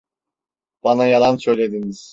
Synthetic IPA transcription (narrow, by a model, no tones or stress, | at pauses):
b̥anajalˠansø̞jlʲe̞d̪iniz̥